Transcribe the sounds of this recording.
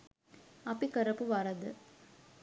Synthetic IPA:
ɐpːikɐɾɐpɯʋɐɾɐd̪ɯ̰

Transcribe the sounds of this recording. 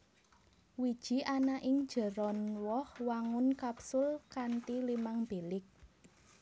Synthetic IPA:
wid̥ʒ̥i̤ʔanaʔɪŋd̥d͡ʒ̥ə̤ɾɔnwɔhwaŋʊnkapsʊlkant̪ilimaŋb̥elɪk̚

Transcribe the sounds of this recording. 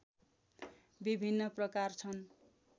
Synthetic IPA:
bibʱinːʌprʌkart͡sʰʌn

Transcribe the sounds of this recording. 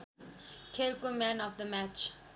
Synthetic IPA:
kʰelkomæ̃nɔfd̪əmæt͡ʃ

